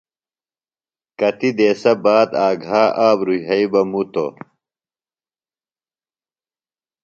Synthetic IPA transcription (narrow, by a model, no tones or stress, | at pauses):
kɐt̪id̪eːsɐbaːd̪aːɡʱaːʔaːbɾuʑɐibɐmut̪o̰